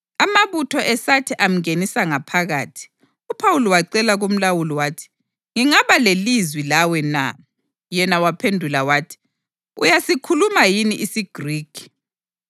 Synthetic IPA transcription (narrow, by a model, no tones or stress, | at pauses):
amaβutʰɔʔɛsatʰiʔam̩ŋenisaŋapʰaɣa̰ːtʰi̥ | upʰawuliwaǀɛlaɣom̩lawulɔwaːtʰi̥ | ŋiŋaβalelizwilawɛna̰ | jɛnawapʰendʱulawaːtʰi̥ | ṵjasikʰulumajiniʔisiɡ̥riːkʰi̥